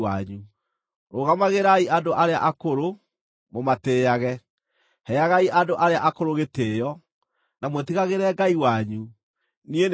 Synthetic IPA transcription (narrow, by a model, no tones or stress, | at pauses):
aɲu | ɾoɣamaɣeɾaiʔadoʔaɾea̰ʔakoɾo | momateːjaɣɛ | hɛjaɣaiʔadoʔaɾeaʔakoɾoɣetejɔ | namwɛtiɣaɣeɾɛɡaiwaɲu | nien